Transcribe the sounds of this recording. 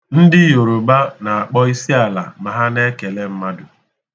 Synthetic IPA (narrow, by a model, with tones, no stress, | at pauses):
n̩˦dɪ˦jo˨ɾʊ˨ba˦na˨a˨k͡pɔ˦i˦si˦a˨la̰˨ma˨ɦa˦ne˦ke˨le˦m̩˦ma˦dʊ˨